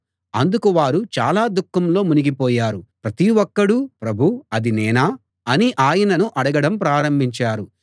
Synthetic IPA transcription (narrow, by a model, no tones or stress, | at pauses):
ɐnd̪ukuʋaːɾut͡ʃa̰ːlaːd̪ukːɐmlo̞ːmuniɡipɔːjaːɾupɾɐt̪iwɔkːɐɽupɾɐbʱuɐd̪inɛːnaː | ɐniʔaːjɐnɐnuʔɐɽɐɡɐɽɐmpɾaːɾɐmbʱiɲt͡ʃaːɾu